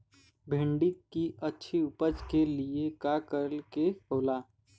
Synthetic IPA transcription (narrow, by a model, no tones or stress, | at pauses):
bʱɪ̃ɳɖikːiʔətːʃʰiʊpəd͡ʒkeliekakəɾəlkehoːlaː